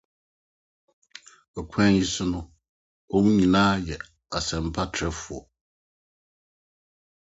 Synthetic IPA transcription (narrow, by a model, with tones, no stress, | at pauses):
ɔ˨kʰɛ̃˦i˦sʊ˦nʊ̃˦ | o˦mũ˦ɲĩ˨nãː˦jɛ˨ | a˨sɛ̃˨m̩˦˨pʰa˦tʰɾɛ˨fu˨ɔ˨